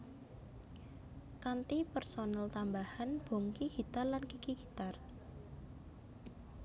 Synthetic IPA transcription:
kant̪ipərsonalt̪ambahanb̥o̤ŋkiɡ̥i̤t̪arlankikiɡ̥i̤t̪ar

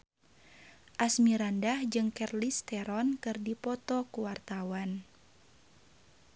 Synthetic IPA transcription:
ʔasmiɾandahd͡ʒɨŋkɛrlist̪ɛɾɔnkɨrdipɔt̪ɔkuwart̪awan

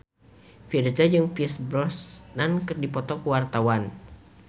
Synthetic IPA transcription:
fird͡ʒad͡ʒɨŋpiɛsbɾɔsnankɨrdipɔt̪ɔkəwart̪awan

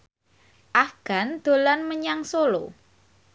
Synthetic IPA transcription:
ʔahɡ̥a̤nd̪̥o̤lanməɲaŋsolo

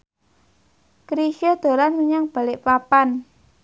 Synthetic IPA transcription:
kɾiʃiod̪̥o̤ɾanmiɲaŋb̥a̤lɪʔpapan

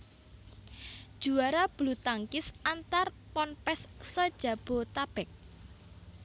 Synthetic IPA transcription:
d̥ʒ̥uaɾab̥lut̪aŋkɪsant̪ar | pɔnpɛsːəd̥ʒ̥ä̤b̥o̤t̪ab̥ɛk̚

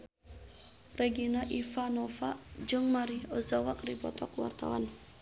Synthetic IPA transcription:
rɛɡinaʔifanɔfaʔd͡ʒɨŋmaɾiɔzawakripɔ̰t̪ɔkuwa̰rt̪a̰wa̰n

